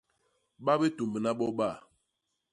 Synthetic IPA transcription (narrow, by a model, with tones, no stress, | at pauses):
ɓa˦be˦tu˨mbə˨na˦ɓɔ˦ɓa˦˨